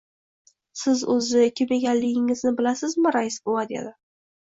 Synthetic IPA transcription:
sɪzɵzɪkʲʰemeɡʲanlɪɡʲɪŋɪznɪbɪlasɪzmɪɾajɪsboad̪ḛd̪ɪ

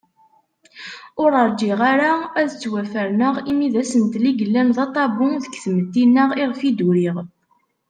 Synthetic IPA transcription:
ʊɾəɾˤd͡ʒiʁaɾaæðət͡sːwæfəɾnəʁimiðæsənt̪liɡəlːænðɑt̪ˤɑbʊŋðəkːθmət̪ːinːəʁɪʁfid̪uɾiʁ

